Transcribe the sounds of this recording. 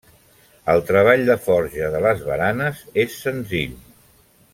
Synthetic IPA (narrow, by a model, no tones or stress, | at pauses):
əlˠt̪ɾəβ̞aʎd̪əfɔɾʒəðələzβənanəzesːənziʎ